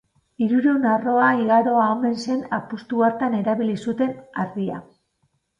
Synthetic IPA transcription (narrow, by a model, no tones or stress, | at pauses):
iɾuɾeunaro̞aiɣaɾo̞aome̞nse̞napust̪uaɾt̪ane̞ɾaβ̞ilisut̪e̞naɾðia̰